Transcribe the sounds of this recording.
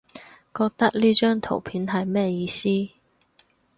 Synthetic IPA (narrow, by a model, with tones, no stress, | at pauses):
kɔː˧k̚t̪ɐ˥k̚liː˥t͡ʃœː˥ŋt̪ʰo̰˨˩wpʰiː˨˥nɦɐ˨jmɛː˥jiː˧siː˥